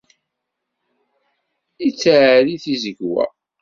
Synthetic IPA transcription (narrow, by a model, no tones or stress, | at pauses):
it͡sːʕliθizəɡwæ̰